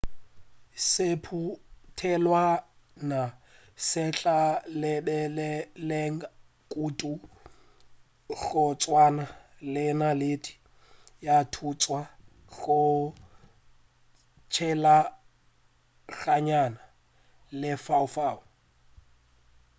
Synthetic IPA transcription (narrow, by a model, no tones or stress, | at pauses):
sɪpʰutʰɛlwa | na | sɛt͡ɬʼalɛbɛlɛlɛŋ | kʼutʼu | ɣʊt͡sʼwana | lɪnaletʼi̥ | jatʰut͡sʼwa | ɣʊ | t͡ʃʰɛla | ɣaɲana | lɪfaʊfaːʊ